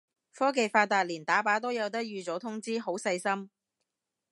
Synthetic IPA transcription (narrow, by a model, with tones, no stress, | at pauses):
fɔː˥k̬e˨˧jfaː˧t̪aː˨˧t̚liː˨˩nt̪aː˨˥paː˨˥t̪o˥wjɐ˨˧wt̪̬ɐ˥k̚jyː˨˧t͡sɔː˨˥t̪ʰʊ˥ŋt͡siː˥ɦo˨˥wsɐ˧jsɐ˥m